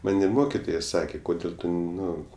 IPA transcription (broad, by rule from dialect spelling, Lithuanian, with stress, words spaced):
ˈmɐnʲ ɪ ˈmoːkʲɪtoːjɛ ˈsɑːkʲeː ˈkoːdʲeːlʲ ˈtʊ ˈnʊ